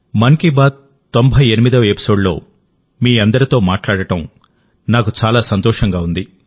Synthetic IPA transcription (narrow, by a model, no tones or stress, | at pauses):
mɐŋkibaːt̪ | t̪ːo̞mbʱɐjenimid̪ɐʋepi̥so̞ːɖlo̞̰ː | miːɐnd̪ɐɾit̪o̞ːmaːʈlaːɽɐʈɐm | naːkut͡ʃaːlaːsɐnt̪ɔːʂɐŋɡaːund̪i